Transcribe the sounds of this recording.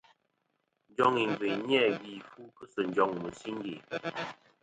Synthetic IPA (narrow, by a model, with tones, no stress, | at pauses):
n˦d͡ʒɔ˦ŋi˨m˨vi˨ɲ˦ɛ˦˨ɡi˨fu˦kɨ˦sɨ˨n˨d͡ʒɔ˨ŋmu˨si˦nɡi˨